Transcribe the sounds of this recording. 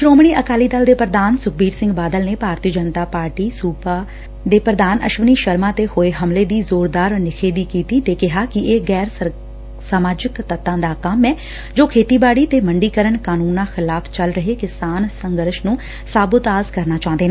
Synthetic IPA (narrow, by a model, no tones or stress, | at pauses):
ʃɾoːmɳ̃iːʔəkaːliːd̪əld̪eːpɾəd̪aːnsʊk̚ʰbiːɾsɪ̃ŋɡbaːd̪əlneːpaːɾt̪iːəd͡ʒənt̪aːpaːɾʈiːsuːpaː | d̪eːpɾəd̪aːnə̰ʃʋəniːʃəɾmãːt̪eːhoːeːɦəmleːd̪iːzoːɾd̪aːɾnɪkʰeːd̪iːkiːt̪iːt̪eːkɪɦaːkɪeːɡɛːɾ | saːmaːd͡ʒɪkt̪ət̪ːãːd̪aːkəmɛ̃ː | d͡ʒoːkʰeːt̪iːbaːɽiːt̪eːməɳɖiːkəɾəɳkaːnuːnãːxɪlaːpʰt͡ʃəlɾəɦeːkɪsaːnsəŋɡəɾʃnũː | saːbət̪aːzkəɾnaːt͡ʃãːnd̪eːnãː